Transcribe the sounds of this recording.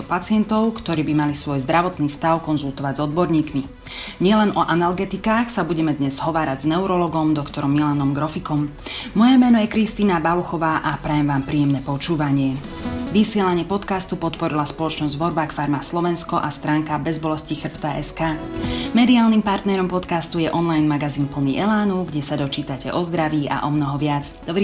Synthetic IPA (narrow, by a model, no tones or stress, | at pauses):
ɔpat͡sɪɛnt̪ɔʊkt̪ɔɾiːbimalisʋɔjzd̪ɾaʋɔt̪niːst̪aʊkɔnzulˠt̪ɔʋaɟzɔd̪̚bɔɾɲiːkmi | ɲɪɛlɛnʔɔʔanalɡɛt̪ikaːxsabuɟɛmɛd̪ɲɛzɦɔʋaːɾaɟznɛuɾɔlɔɡɔmd̪ɔkt̪ɔɾɔmːilanɔmɡɾɔfikɔmmɔjɛmɛːnɔjɛkɾist̪iːnabaʋɔxɔʋaːʔapɾɛjɛmʋaːmpɾiːjɛmnɛpɔt͡ʃuːʋaɲɪɛ | ʋisɪɛlaɲɪɛpɔt̪kast̪upɔt̪pɔɾilaspɔlɔt͡ʃnɔzɟd̪ʋɔɾbakfaɾmaslɔʋɛnskɔʔast̪ɾaːŋkabɛzbɔlɛscixr̩pt̪aʔɛskaːmɛd̪iaːlnimpaɾt̪nɛɾɔmpɔt̪kast̪ujɛʔɔnlajnmaɡaziːnpl̩nḭʔɛlaːnuɡɟɛsad̪ɔt͡ʃiːt̪acɛ̰ʔɔzd̪ɾaʋiːa̰ʔɔmnɔɦɔʋɪad͡z | d̪ɔbɾi